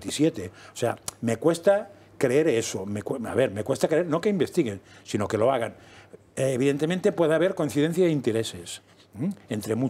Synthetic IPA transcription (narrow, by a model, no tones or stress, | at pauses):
t̪isjet̪eosea̰me̞kwe̞st̪a | kɾeeɾesomekwea̰βe̞ɾmekwest̪akɾeeɾnokeimbe̞st̪iɣensino̞keloaɣanː | βiðent̪emẽnt̪e̞pweðeaβeɾkoĩnθiðen̟θjaðeint̪eɾeses̩ | ent̪ɾemu